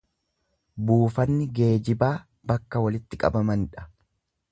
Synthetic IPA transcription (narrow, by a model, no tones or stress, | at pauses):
buːfɐnːɪɡe̞ːd͡ʒɪbaː | bɐkːɐwɐlɪt̪ːɪkʼɐ̰bɐmɐnᶑɐ̥